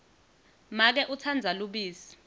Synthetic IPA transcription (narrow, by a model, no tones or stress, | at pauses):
mak̬ɛʔut͡sʰand͡zʱaluɓiːsi̥